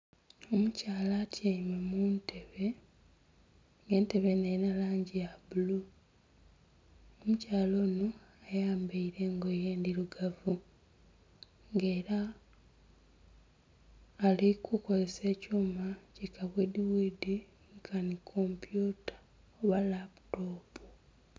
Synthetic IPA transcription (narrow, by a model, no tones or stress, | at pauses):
o̞mucaːlatʰjaimemuːntʰe̞βe̞ | ŋɡe̞ːnte̞βe̞nejinalaːɲɟijabulu | omucaːlo̞ːnoajaːmbeiɾe̞ːŋɡo̞jeːndiɾuɡavu | ŋɡe̞ːɾa | likʰuko̞ze̞se̞ːcuːmacikaβwediwidi | ŋkʰanikʰompjutḁ | oβalapu̥toːpu̥